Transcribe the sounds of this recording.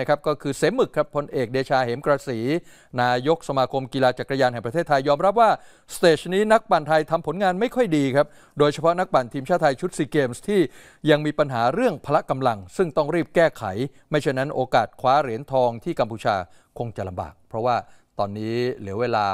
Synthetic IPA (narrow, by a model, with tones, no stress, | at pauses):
kʰa˦˥p̚kɔː˥˩kʰɯː˧se˩˦mɯ˨˩kʰːɾa˦˥pʰːo˧nʔeː˨˩k̚deː˧t͡ɕʰaː˧heː˩˦mkɾaː˧siː˩˦ | naː˧jo˦˥k̚sa˧maː˧kʰo˧mkiː˧laː˧t͡ɕa˨˩kɾa˧jaː˧nɦɛ˨˩ŋpɾa˧eː˥˩t̪ʰːa˧jːɔː˧mɾa˦˥p̚waː˥˩ | st̪eː˨˩t͡ɕniː˦˥na˦˥k̚pa˨˩nt̪ʰa˧jt̪ʰa˧mpʰo˩˦nŋaː˧nma˥˩jkʰɔ˥˩jdiː˧kʰɾa˦˥p̚ | doː˧jt͡ɕʰa˧pʰɔ˦˥na˦˥k̚pa˨˩nt̪ʰiː˧mt͡ɕʰaː˥˩t̪ʰːa˧jt͡ɕʰu˦˥t̪̚siː˧keː˧mst̪ʰiː˥˩ | ja˧ŋmiː˧pa˧nɦaː˩˦ɾɯ˥˩əŋpʰa˧la˦˥ka˧mla˧ŋsɯ˥˩ŋt̪ɔ˥˩ŋɾiː˥˩p̚kɛː˥˩kʰa̰˩˦jma˥˩jt͡ɕʰa˥˩jna˦˥nʔoː˧kaː˨˩t̪̚kʰwaː˦˥ɾi˨˩˦ənt̪ʰɔː˧ŋt̪ʰiː˥˩ka˧mpʰuː˧t͡ɕʰa̰ː˧ | kʰo˧ŋt͡ɕa˨˩la˧mba̰ː˨˩k̚ppʰɾɔ˦˥waː˥˩t̪ɔː˧nːiː˦˥li˩˦əweː˧la̰ː˧